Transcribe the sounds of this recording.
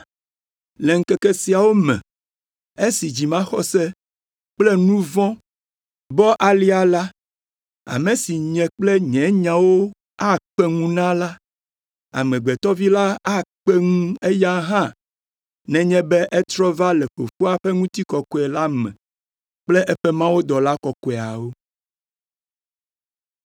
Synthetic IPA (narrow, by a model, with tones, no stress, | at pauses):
lɛ˨ŋ̩˦kɛ˦kɛ˦si˨a˨wo˦mɛ̰̃˨ | e˦si˨d͡ʑi˨mã˦xɔ˨sɛ˦ | k͡plɛ˦nũ˦vɔ̃˦ | bɔ˦ʔa˨li˦a˨la˦ | a̰˨mẽ˨si˨ɲɛ̃˨k͡plɛ˦ɲɛ̃˨˦ɲã˨wo˦ | a˦k͡pɛ˦ŋũ˦nã˦la˦ | a̰˨mɛ̃˨ɡ͡bɛ˨t̪ɔ˦vi˦la˦a˦k͡pɛ˦ŋũ˦e˦ja˦ɦã˦ | nɛ̃˨ɲɛ̃˦bɛ˦ʔɛ˦t̪ɾɔ˦va˦lɛ˨ɸo˨ɸu˦a˨ɸɛ˦ŋũ˦t̪i˦kɔ˨kɔ˦ɛ˨la˦mɛ̰̃˨ | k͡plɛ˦ʔɛ˦ɸɛ˦mã˦wo˦d̪ɔ˨la˦kɔ˨kɔ˨˦˨a˨wo˦